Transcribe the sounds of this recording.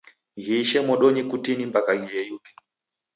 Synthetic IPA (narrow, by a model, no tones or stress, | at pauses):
ɣiʃɛmɔɗɔɲikutinimbakaɣijɛjupi̥